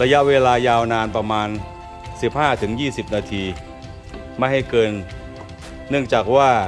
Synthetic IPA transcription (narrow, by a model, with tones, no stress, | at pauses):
ɾa˧ja˦˥ʔweː˧laː˧jaː˧wnaː˧npɾa˧maː˧n | si˨˩p̚haː˥˩t̪ʰɯ˩˦ŋjiː˥˩si˨˩p̚naː˧t̪ʰiː˧ | ma˥˩jɦa˥˩jkɤː˧nː | ɯ˥˩əŋt͡ɕaː˨˩k̚waː˥˩